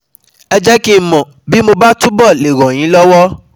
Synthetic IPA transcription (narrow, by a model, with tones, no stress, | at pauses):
ɛ˧d͡ʒɛ˦ki˦mɔ̃˨ | bi˨˦mo˧ba˦tu˦bɔ˦˨le˨ɾɔ̃˨j̃ĩ˨˦lɔ˦wɔ˦